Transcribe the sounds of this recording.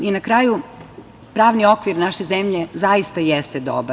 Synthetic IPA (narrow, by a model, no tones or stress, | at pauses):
inakɾaːju | pɾaːʋnio̞kʋiɾnaʃezemʎe̞zajist̪ajest̪ed̪o̰ba